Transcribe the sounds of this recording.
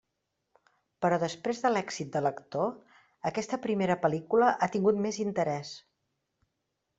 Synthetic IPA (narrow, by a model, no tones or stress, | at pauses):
pəɾɔðəspɾezðəlɛksit̪̚d̪ələkt̪o | əkɛst̪əpɾimeɾəpəlikuləʔat̪iŋɡut̪mezint̪əɾɛs